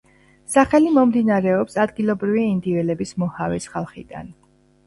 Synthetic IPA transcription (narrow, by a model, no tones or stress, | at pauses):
saχɛlimɔmd̪inaɾɛɔpsad̪ɡilˠɔbɾiviind̪ivɛlɛbismɔhavɛsχalˠχḭd̪a̰n